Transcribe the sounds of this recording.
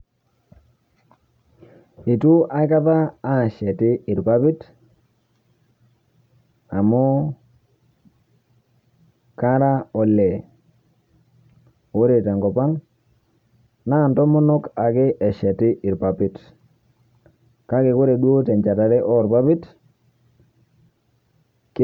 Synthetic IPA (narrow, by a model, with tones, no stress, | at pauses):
i˨tu˦ʔa˨ɪ˦ka˦ðaː˦˨ʃɛ˨tɪ˦ɪ˨ɾpa˦pɪ˦t | a˨mɔ˦ | ka˦ɾa˦ɔ˨lɛ˨ | o˦ɾe˨tɛ˨ŋɡɔ˨pa˦ŋ | na˦˨ntɔ˦mɔ˦nɔ˦ka˨kɪ˦ʔɛ˨ʃɛ˨tɪ˦ʔɪ˨ɾpa˨pɪ˦t | ka˦kɪ˨ko˦ɾe˨ɗwo˦tɛ˨ɲt͡ʃa˨ta˨ɾɛ˦ʔɔ˦˨ɾpa˦pɪ˦t | k